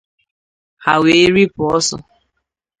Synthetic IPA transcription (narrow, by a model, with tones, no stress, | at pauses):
ha˨we˨˦ɾi˦pʊ˨ɔ˦sɔ̰˨